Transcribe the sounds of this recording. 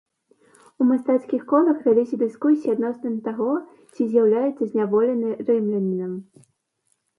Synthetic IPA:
umast̪at̪skʲixkɔlˠɐxvʲalʲisʲɐd̪ɨskusʲiad̪nɔsnɨmʲt̪aɣɔ | t͡sʲizʲjawlʲajut̪sːɐzʲnʲavɔlʲɛnɨɾɛmlʲɛnʲnɐm

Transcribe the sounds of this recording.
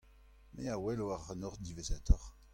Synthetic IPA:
meawɛloaʁanɔʁd̪ivezat̪ʰɔʁ

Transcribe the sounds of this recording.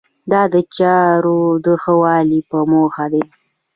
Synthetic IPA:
d̪ɑd̪ət͡ʃɑɾod̪əxəwɑlipəmoxad̪e

